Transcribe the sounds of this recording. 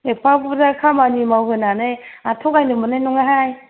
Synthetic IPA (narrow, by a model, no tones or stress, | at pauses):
epʰakubzakʰamanimawɦɯnaneatʰɔɡajnɯmɯnajnɔŋaɦaj